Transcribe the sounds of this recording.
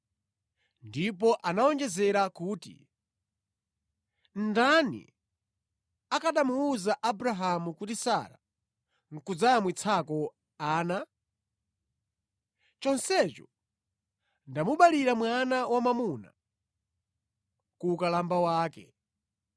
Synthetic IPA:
ndip̬ɔʔanaɔnd͡ʒɛzɛɾakuːtḭ | ndanḭ | akaɗamuuzaʔabɾaɦamukutisaɾa̰ | ŋ̩kud͡zamwit͡sʰakɔ | aːna | t͡ʃɔnsɛt͡ʃɔ | ndamuɓaliɾamwanawamamuna̰ | kukalambawaːkɛ̰

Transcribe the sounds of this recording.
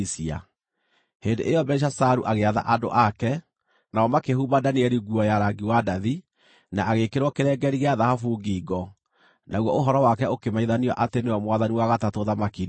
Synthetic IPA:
sia̰ | hendḛʔejɔbɛʃ̬asaɾuʔaɣeaða̰ʔado̰ʔakɛ | naɔmakehubadaniɛɾiɡuɔjaɾaɡiwadaði | naːɣekeɾwɔkeɾɛɡɛɾiɣeaðahafuɡiɡɔ | naɣwɔoɦɔɾɔwakɛokemaiðania̰ʔateneɔmwaðaniwaɣatatoðamakin

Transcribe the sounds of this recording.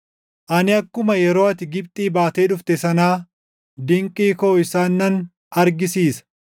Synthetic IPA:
ʔɐnɪɐkːʊmɐjɛɾo̞ːɐt̪ɪɡɪpt̪ʼiːbaːt̪eːᶑʊft̪ɛsɐnaː | d̪ɪŋkʼiːkoːɪsaːnːɐn | ɐɾɡɪsiːsɐ̥

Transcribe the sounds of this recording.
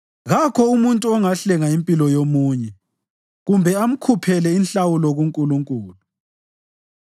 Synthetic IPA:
ɣakʰɔumuntʼuɔŋaɬɛŋaimpʼilɔjomuːɲɛ | ɣumbʱɛam̩kʰupʰɛlɛinɬawulɔɣuŋkʼuluŋkʼuːlu

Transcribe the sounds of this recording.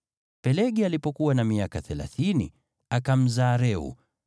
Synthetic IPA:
pɛlɛɠialipɔkuwanamiakaθɛla̰θinḭ | akam̩zaːɾɛṵ

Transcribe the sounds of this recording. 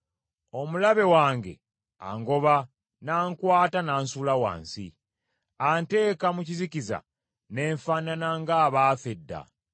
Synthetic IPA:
o̞mulaβe̞waːŋɡe̞̰ | a̰ːŋɡo̞βa | naːŋkwaːtanaːnsulawa̰ːnsḭ | aːnte̞ːkamuciziciza̰ | ne̞ːɱfananaŋɡaːβaːfedːa̰

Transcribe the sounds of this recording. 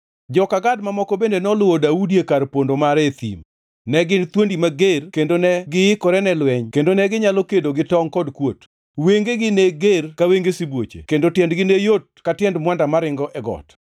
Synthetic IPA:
d͡ʒɔkaɡadmamɔkɔbendenɔlʊwodaudiekarpondomaɾet̪ḭm | nɛɡɪnt̪wondimaɡerkendonɛɡɪɪkɔɾɛnɛlwɛɲkendonɛɡɪɲalokedoɡɪtɔŋkɔdkwot | weŋɡeɡɪneɡerkaweŋɡesɪbwot͡ʃḛkendotjɛndɡɪnejot̚katɪjɛndmwandamaɾɪŋɡɔʔɛɡɔ̰t

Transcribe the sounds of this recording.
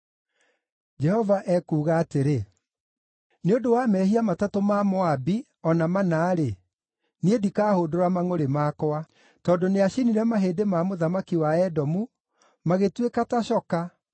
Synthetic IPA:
d͡ʒɛhɔvaʔɛkuːɣaːteɾe | neodowamɛːhiamatatomamɔabi | ɔnamanaːɾe | niedikaːhoːdoɾamaŋoɾemaːkɔa | tɔndoneaɕiniɾɛmaɦeːdemamoðamakiwaɛdɔmu | maɣetwekataɕɔka

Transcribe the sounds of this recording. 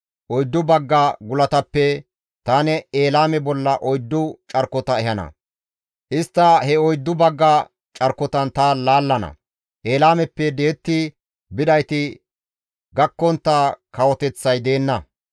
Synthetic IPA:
ʔɔjd̪ːʊbɐɡːɐɡʊlɐt̪ɐpːɛ | t̪aːnɛeːlaːmɛbɔlːɐʔɔjd̪ːʊt͡ʃʼɐɾkːɔt̪ɐɛɦɐnɐ̰ | ʔɪst̪ːɐhɛɔjd̪ːʊbɐɡːɐ | t͡ʃʼɐɾkːɔt̪ɐnt̪ɐlaːlːɐnɐ̰ | ʔe̞ːlaːmɛpːɛd̪eːt̪ːɪ | bɪd̪ɐjt̪ɪ | ɡɐkːɔnt̪ːaːkɐwɔt̪ɛt͡sːɐjd̪e̞ːnːɐ

